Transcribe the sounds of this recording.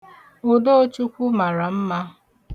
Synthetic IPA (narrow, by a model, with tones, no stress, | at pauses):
o˨do˦o˦t͡ʃu˦kʷu˦ma˨ɾa˨m̩˦ma˦